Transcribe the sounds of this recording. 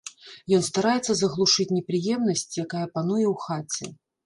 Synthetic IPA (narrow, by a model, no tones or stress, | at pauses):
jɔnst̪aɾajɛt̪sːɐzɐɣlˠuʂɨt͡sʲnʲɛpɾɨjɛmnɐsʲt͡sʲjakajɐpanujɛwxat͡sʲɛ̰